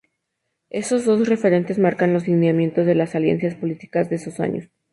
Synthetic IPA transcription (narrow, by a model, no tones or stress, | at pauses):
e̞so̞zðo̞sre̞fe̞ɾe̞nt̪e̞szmaɾkanlo̞zlineamjẽ̞nt̪o̞zðe̞lasaljensjaspo̞lit̪i̥kazðeesosa̰ɲo̰s